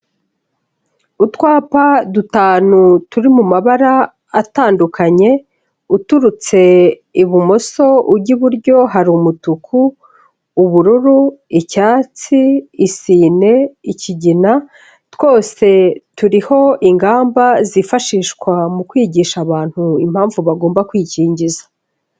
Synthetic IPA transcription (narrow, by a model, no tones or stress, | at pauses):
utwaːpadutaːnutuɾimumaβaɾaː | taːndukʰaɲe̞ | utuɾut͡se̞iβumo̞so̞ubɟiβuɾɟo̞ɦaɾumutukʰuː | βuɾuɾuicaːt͡siːsiːne̞iciɟina | two̞ːse̞tuɾiho̞ʔiŋɡaːmbazifaʃiːʃkwamukwiːɟiːʃaβaːn̥huim̥haːɱvuβaɡo̞ːmbakwiːciːɲɟizḁ